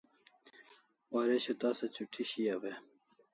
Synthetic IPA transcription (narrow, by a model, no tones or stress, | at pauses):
waɾeɕet̪aːsɐt͡ɕuʈʰiɕijawe